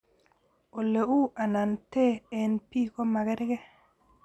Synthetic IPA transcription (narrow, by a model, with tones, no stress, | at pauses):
o˨le˨u˦a˨na˨nte˦ɛ˨npi˦ko˦ma˨ɡɛ˦ɾɪ˦kɛ˦